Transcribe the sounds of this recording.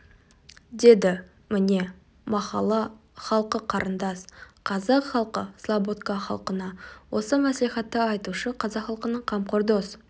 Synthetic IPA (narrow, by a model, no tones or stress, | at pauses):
d̪e̞d̪ɪ | mɪne̞ | mɑqɑlˠɑ | χɑlˠqəqʰɑɾʔənd̪ɑsqʰɑzɑqχɑlˠqəslˠabot̪kɑχɑ̰lˠqənɑwʔo̞səmæsliχɑt̪ːəɑjt̪uʃəqʰɑzɑqχɑlˠqənəɴqʰɑmqoɾd̪os